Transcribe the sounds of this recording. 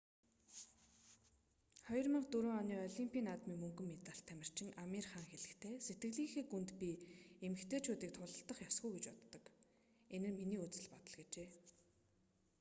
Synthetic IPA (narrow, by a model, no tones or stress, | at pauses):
χɔjɞ̆rmə̆qt̪ɵɾoːŋɔniːɔɮʲimpʰʲiːnat̪miːŋmɵŋɡɵ̆mːet̪aːɬt̪ʰːæmʲɪ̆r̥t͡ɕɪ̆ŋamʲerχaːŋxeɮɘ̆xt̪ʰeːset̪ɡɘ̆ɣɮiːŋxeːkunt̪pʲiemɘ̆xt̪ʰeːt͡ɕʰʊːt̪iːk̚t̪ʰʊɮə̆ɬt̪ə̆χjawsɡujɡet͡ɕpɔt̪ːɞ̆k | enɘ̆nminiːut͡sɘ̆ɮpɔt̪ə̆ɮɡet͡ɕeː